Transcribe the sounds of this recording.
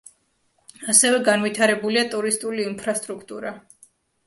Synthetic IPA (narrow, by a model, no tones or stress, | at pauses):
asɛvɛɡanvit̪ʰaɾɛbuliat̪ʼuɾist̪ʼuliːnpʰɾast̪ʼɾukʰt̪ʼṵɾa